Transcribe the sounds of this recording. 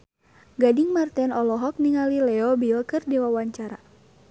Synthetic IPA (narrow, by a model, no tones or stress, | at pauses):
ɡadiŋmart̪ɛnɔlɔɦɔk̚niŋalilɛɔbiɔkɨrdiwawaɲt͡ʃaɾa